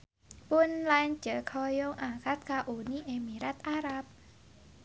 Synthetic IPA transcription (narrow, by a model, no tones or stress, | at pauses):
pʊnlan̥d͡ʒ̥əkʰɔjɔŋʔakat̪̚kaʔuniʔemiɾat̪ʔaɾap̚